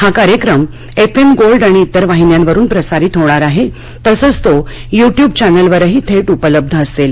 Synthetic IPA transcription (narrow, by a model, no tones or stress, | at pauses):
hakaɾjəkɾəm | efemɡolɖaɽ̃iːt̪ːəɾʋaɦinjanʋəɾuːnpɾəsaɾiːt̪ʰoʋɽ̃aɾaɦe | t̪əsət͡st̪ojuʈjuːb̚t͡ɕanəlʋəɾəɦiːt̪ʰeʈupələb̚d̪ʱəːsel